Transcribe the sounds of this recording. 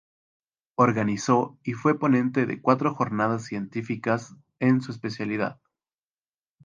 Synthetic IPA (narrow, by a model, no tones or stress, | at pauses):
oɾɣaniso̞ifwe̞po̞nẽnt̪e̞ðḛkwat̪ɾoxo̞ɾnað̞as̬ːje̞nt̪ifikas | e̞nsue̞spe̞sjaliða̰ð